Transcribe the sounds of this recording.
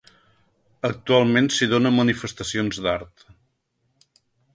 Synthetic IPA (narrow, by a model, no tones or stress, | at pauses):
ək̚t̪ualˠmensiðonəmənifəst̪əsionzd̪aɾt̪